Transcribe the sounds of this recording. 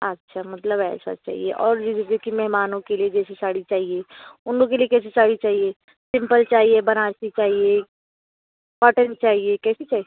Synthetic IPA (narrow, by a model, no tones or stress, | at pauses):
ɐtːʃʰamɐt̪ləbɛ̰ːsa̰t͡ʃa̰ːɦḭḛʔɔːɾd͡ʒiːzd͡ʒoːkimɛɦmaːnõkelied͡ʒɛːset͡ʃaːɽit͡ʃaːɦieʊnlõkeliekɛːs̬esaːɽit͡ʃaːɦie | sɪ̃mpəlt͡ʃaːɦiebɐnaːsit͡ʃaːɦie | paʈə̃nt͡ʃaːɦiekɛːset͡ʃaːɦie